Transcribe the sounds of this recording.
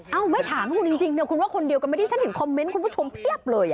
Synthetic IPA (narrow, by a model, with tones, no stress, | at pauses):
ʔa˧˩wmaː˧˥˩jt̪ʰaː˩˦ŋ˧kʰu˧nt͡ɕi˧ŋt͡ɕi˧ŋni˧˥˩kʰu˧nwaː˥˩kʰo˧ndi˧əwka˧na˧˩t̪iː˥˩t͡ɕa˥he˩˦nkʰɔ˧mːe˦˥nku˧pʰuː˥˩o˧mpʰi˥˩əp̚lɤː˧jʔ